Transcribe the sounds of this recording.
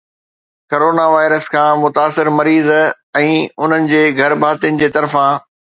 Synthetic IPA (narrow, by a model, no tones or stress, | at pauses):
koɾoːnaʋaːɪɾəskʰãːmʊt̪aːsɪɾmɐɾiːz | ɛ̃ːʊn̤ənɪ̆d͡ʑeːɡʱɐɾbʱaːt̪ijənɪ̆d͡ʑeːt̪ɐɾfã